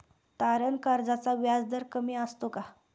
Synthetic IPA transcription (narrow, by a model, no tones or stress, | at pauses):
t̪aɾənkaɾd͡zat͡saʋjad͡zd̪əɾkəmiːəst̪oka